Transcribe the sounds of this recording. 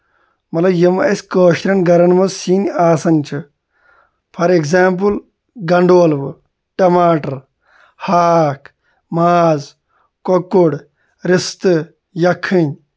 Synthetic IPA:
mɐt̪lɐjɐmɐɐsʲkəːʃɾɐnɡɐɾɐnmɐzsiːnaːsɐnt͡ʃʰɨ | pʰɐɾeɡzaːmp̬ɨl | ɡɐɳɖoːlʋɨ | ʈɐmaːʈɐɾ | haːkʰ | maːz | kokːuɽ | ɾist̪ɨ | jɐkʰːinʲ

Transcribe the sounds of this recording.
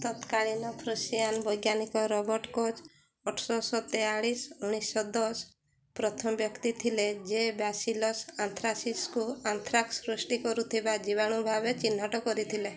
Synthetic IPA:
t̪ɔt̪kaɭinɔpʰɾusjanbɔjɡjanikɔɾɔbɔɾʈkɔd͡ʒ | ɔʈʰsɔsɔt̪eaɭisũisɔd̪ɔs | pɾɔt̪ʰɔmbjɔkt̪it̪ʰiled͡ʒebasilɔsant̪ʰɾasiskuant̪ʰɾaksɾusʈikɔɾut̪ʰibad͡ʒibaɽ̃ubʱabet͡ʃin̤ːɔʈɔkɔɾit̪ʰile

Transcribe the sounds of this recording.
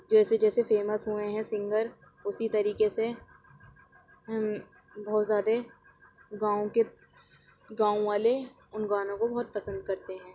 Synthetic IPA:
d͡ʒɛːsed͡ʒɛːsefeːməsɦueɦɛ̃sɪ̃ŋɡəɾ | ʊsit̪ɐɾiːkese | bɔːt̪zjaːd̪e | ɡãːõke | ɡãːõʋaːle | ʊnɡaːnõkobɐɦʊt̪̚pɐsə̃nd̪kɐɾt̪eɦɛ̃ː

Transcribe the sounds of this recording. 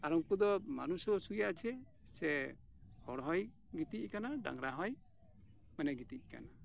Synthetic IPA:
aɾɔŋkud̪ɔma̰nusɔsujat͡ʃʰɛ | sɛ | hɔɽɦɔj | ɡit̪ickanaɖa̰ŋɾaɦɔj | mɛnɛɡit̪ic̚ˀka̰na

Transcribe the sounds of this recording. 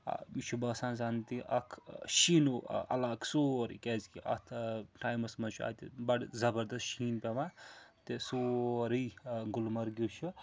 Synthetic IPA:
a̰mit͡ʃʰubɐsãːnzant̪iʔɐ̰kʰʃinuɐ̰lakʰsoːɾḭkezkiʔɐ̰t̪ʰʈaːjmɐsmɐt͡ʃʰua̰ːt̪ibɐɽzɐbɐɾd̪ɐshiːnpʲemat̪esoɾijɡulmɐɾɡit͡ʃʰu

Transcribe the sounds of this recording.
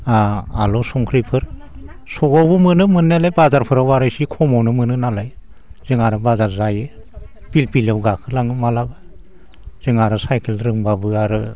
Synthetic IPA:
aalɔsɔŋkʰɾipʰɯɾ | sɔɡɔwbɯmɯnɯmɯnːalajbazaɾpʰɯɾawaɾajsikʰɔmɔwnɯmɯnɯnalaj | z̥ɯŋaɾɯbazaɾzajɯ | b̥ilpilawɡakʰɯlaŋɯmalaba | z̥ɯŋaɾɯsajkʰelɾɯŋbabɯaɾɯ

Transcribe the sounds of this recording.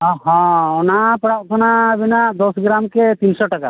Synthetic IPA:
ɔɦɔ̃ɔnapəɽaʔkɔnabinaʔd̪ɔsɡɾamket̪insɔʈaka

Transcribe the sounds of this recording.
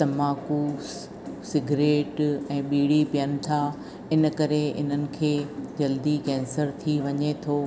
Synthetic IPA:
tɐmaːkus | sɪɡʱɾeːʈɛ̃ːɓiːɽipijənɪ̆t̪ʰaː | ɪnə̆kɐɾeɪ̰n̤ənɪ̆kʰeːd͡ʑɐld̪ikɛ̃ːnsəɾt̪ʰiʋɐɲet̪ʰoː

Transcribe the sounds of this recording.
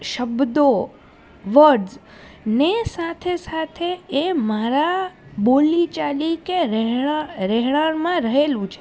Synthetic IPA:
ʃəbd̪o | ʋəɖz | nesat̪ʰesat̪ʰeemaɾabolit͡ʃalikeɾɛɦaɾɛɦɭaɾmãɾəɦelũt͡ʃʰe

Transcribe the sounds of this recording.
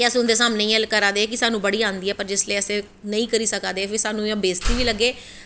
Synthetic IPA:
əsʊ̃nd̪eːs̬aːmneːĩːɦɛlkəɾaːd̪eːk̬ɪsaːnũːbəɽiːãːnd̪iːɛːpəɾd͡ʒɪsleːəsẽː | nəĩːkəɾiːsəkãːd̪eːpʰɪɾsaːnũːabeːst̪iːʋiːləɡːeː

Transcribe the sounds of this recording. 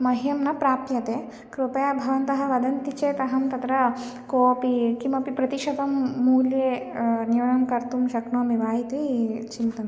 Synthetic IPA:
mɐɦijɐmnɐpɾaːp̚t̪jɐt̪eː | kɾupɐjabʱɐʋɐnt̪ɐɦɐ̆ʋɐd̪ɐnt̪it͡ʃeːt̪ɐɦɐmt̪ɐt̪ɾɐ | koːpikimɐpipɾɐt̪iʃɐd̪ɐmːuːljeː | niʋɐɳɐmkɐɾt̪umʃɐkɳoːmiʋaːjit̪it͡ʃint̪ɐn

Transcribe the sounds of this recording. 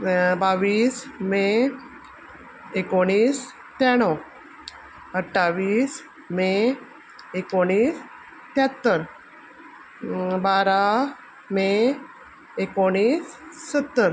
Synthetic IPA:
baʋiːsme | ekoɽ̃iːs | t̪aɽ̃ɔ | əʈʰːaʋiːs | me | ekoɽ̃iːs | t̪jat̪ːəɾ | baɾa | me | ekoɽ̃iːsːət̪ːəɾ

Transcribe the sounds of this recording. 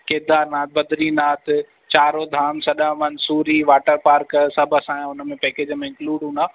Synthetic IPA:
keːd̪aːɾnaːt̪̚bɐd̪ʱɾinaːt̪ | t͡ɕaːɾod̪ʱaːmsɐɗãmɐnsuːɾiʋaːʈəɾpaːɾksɐbʱəsãːãʊnəmẽpɛːkeːd͡ʑəmẽɪ̃ŋkluːɖɦũːnd̪aː

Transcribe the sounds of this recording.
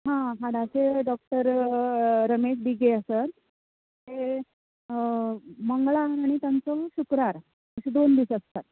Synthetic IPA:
ɦãɦaɽaseɖɔk̚ʈəɾ | ɾəmeɕ̬biɡeəsət̪ː | e | məŋɡɭaaɽ̃it̪jant͡sɔɕukɾaɾ | əɕed̪ond̪isəst̪əɾ

